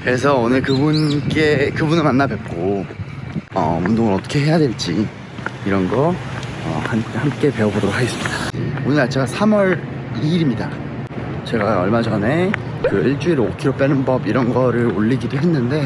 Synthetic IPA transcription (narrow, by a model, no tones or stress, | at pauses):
kɯɾe̞s̬ʰʌonɯɭkɯbunk͈e̞kɯbunɯɭmanːabwe̞t̚k͈o | ʌ̰mundoŋɯɾʌt͈ʌkʰe̞ɦe̞jadwe̞ɭt͡ɕ͈i | iɾʌnɡʌʌ̰hanhamk͈e̞pe̞ʌbodoɾokʰaɡes͈ɯ̥mid̥aḭonɯɭnat͡ɕʰiɡasʰamwʌɾ | iːɾimɲida | t͡ɕe̞ɡaʌɭmat͡ɕʌnɦe̞ | kɯiɭt͡ɕ͈uiɾokʰiɾop͈enɯnbʌbiɾʌnɡʌɾɯɾoʎːiɡidoɦe̞nːɯnde̞